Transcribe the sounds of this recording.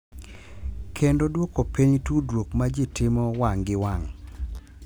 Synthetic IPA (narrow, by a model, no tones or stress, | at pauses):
kʰendodwokopiɲtudwokmad͡ʒitɪmɔwaŋɡɪwaŋ